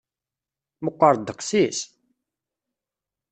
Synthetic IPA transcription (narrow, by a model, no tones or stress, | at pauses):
məqʷːəɾˤd̪əqsis